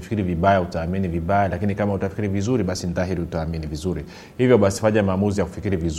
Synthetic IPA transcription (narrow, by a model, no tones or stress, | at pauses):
fi̥kiɾiviɓajautaːminiviɓajalakinikamautafikiɾivizuɾiɓasinitaɦiɾiutaːminivizuɾi | hivjɔɓasi̥faɲamaːmuzijaku̥fikiɾiviz